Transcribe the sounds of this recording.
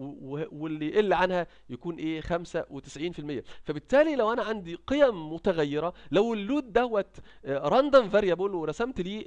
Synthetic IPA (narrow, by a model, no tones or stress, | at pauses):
wewwelʔelːʕanhæ | jækuːnʔeːxæmsæwet̪e̥sʕiːnfilmejːæfæbet̪ːæːlilæwʔænæʕand̪iqejæmːot̪æɣæjːeɾˤɑlæwelːuːd̪̚ːæwːæt̪ɾˤɑnd̪ɑmvæɾjæbulweɾˤɑsæmt̪liː